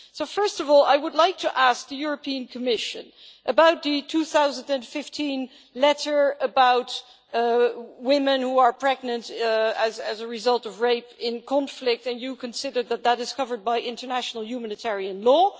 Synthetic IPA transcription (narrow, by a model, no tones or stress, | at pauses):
soʊfɜ˞stʌvɔlˠa̰ɪwədˡlaɪk̚tʰɨʔæsk̚ðɨjʊɹɨpĩɨ̃nkʰɨmɪʃɨ̃nʔɨbaʊt̪̚ðɨtʰuθaʊzə̃ndɨ̃nfɪftʰĩn | lɛɾə˞əbaʊt | wɪ̃mɨ̃nhuə˞pʰɹ̥ɛɡ̚nɨ̃ntɨzɨzəɹɨzʌlˠtʌvɹeɪpɪ̃nkʰɑ̃nflɪk̚tɨ̃njɨkʰɨ̃nsɪdə˞ðət̪̚ðəɾɨz̥kʰʌvə˞d̚baɪʔɪ̃ntə˞næʃnl̩ˠjʉmænɨtʰɛɹiɨ̃nlɔ